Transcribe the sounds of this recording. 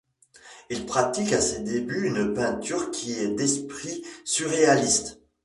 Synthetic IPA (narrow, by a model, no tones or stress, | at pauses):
ilpχat̪ikased̪ebyynpɛ̃t̪yʁkʲʰiɛd̪ɛspχisyʁealist̪